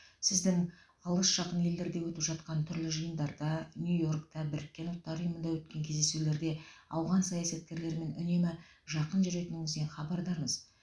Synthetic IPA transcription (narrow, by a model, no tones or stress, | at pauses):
sɪzd̪ɪŋ | ɑlˠəsʒ̥ɑqənʲeld̪e̞ɾd̪e̞wɵt̪ɪpʒɑt̪̚qɑnt̪ʰʏɾlɪʒəjənd̪ɑɾd̪ɑnʲjujo̞rkt̪ɑbɪɾɪkʲːe̞nʊlˠt̪ːɑɾʊjəmənd̪ɑwɵt̪̚kʲe̞ŋkʲʰe̞zd̪e̞sule̞ɾd̪e̞ɑwʁɑnsɑjɑsɑt̪̚kʲe̞ɾle̞ɾme̞nʏne̞mɪ | ʒɑqənʒʏɾe̞t̪ɪnɪŋɪzd̪enχɑbɑɾd̪ɑɾɴəz